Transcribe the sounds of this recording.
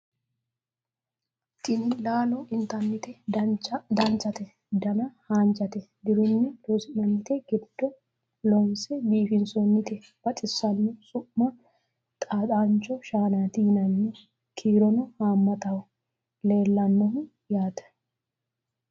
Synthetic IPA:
t̪ɪnɪlaːlɔʔɪnt̪ɐnːɪt̪ɛ | d̪ɐnt͡ʃɐt̪ɛ | d̪ɐnɐhaːnt͡ʃɐt̪ɛd̪ɪɾɪnːɪd̪osɪnɐnːɪt̪ɛɡ̥ɪd̪̥ːɔ | lɔnsɛbiːfɪnsɔnːɪt̪ɛ | b̥ɐt̪ʼɪsːɐnːɔsʊʔːɐ | t̪ʼaːt̪ʼaːnt͡ʃːɔʃaːnaːt̪ɪhɪnɐnːɛ | kʰiːɾɔnɔhaːmːɐt̪ɐwɔ | le̞ːlːɐnːɔɦʊ | jaːt̪ɐ̥

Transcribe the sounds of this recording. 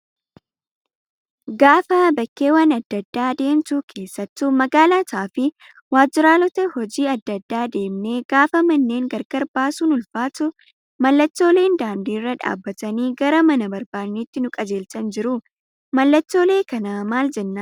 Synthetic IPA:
ɡaːfɐbɐkːe̞ːwaːnɐd̪ːɐd̪ːaːd̪e̞ːmt̪uːkʰe̞ːsːɐt̪ːʊmɐɡaːlaːt̪aːfɪ | waːd͡ʒːɪɾaːlɔt̪ɐhɔd͡ʒiːɐd̪ːɐd̪ːaːd̪e̞ːmneɡaːfɐmɐnːe̞ːŋɡɐɾɡɐɾbaːsuːnʊlfaːt̪ʊ | mɐlːɐt͡ʃːo̞ːle̞ːnd̪aːnd̪iːrːɐᶑa̰ːbːɐt̪ɐniːɡɐɾɐmɐnɐbɐɾbaːnːiːt̪ːɪnʊkʼɐd͡ʒe̞ːlt̪ɐnd͡ʒɪɾʊ | mɐlːɐt͡ʃːo̞ːle̞ːkɐnaːmaːld͡ʒɛnːaː

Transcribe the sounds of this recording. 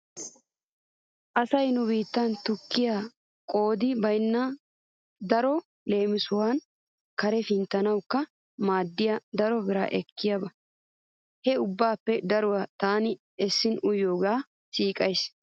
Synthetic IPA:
ʔɐsɐjnʊbiːt̪ːɐnt̪ʊkːɪja | kʼo̞ːd̪ɪbɐjnːɐ | d̪ɐɾɔ | le̞ːmɪsʊwan | kɐɾɛfɪnt̪ːɐnɐwkːɐ | maːd̪ːɪjɐd̪ɐɾɔbɪɾa̰ːʔɛkːɪjɐbɐ | hɛʊbːaːpːɛd̪ɐɾʊwat̪aːnɪ | ɛsːɪnʊjoːɡaː | siːkʼɐjs

